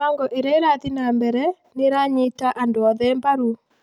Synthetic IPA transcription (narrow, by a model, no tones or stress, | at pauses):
aŋɡɔʔeɾɛeɾaðinambɛɾɛ | neɾaɲitaʔandoɔðɛmbaɾu